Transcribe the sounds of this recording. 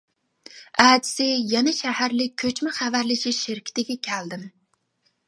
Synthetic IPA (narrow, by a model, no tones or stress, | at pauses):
æːd̪ɪ̥sɪjɛnɛʃæhæɾlɪk̚ʲʰøt͡ʃmɪχævæɾlɪʃiʃɪɾkʲʰɪ̥t̪ɪɡʲɛkʲʰæld̪ɪm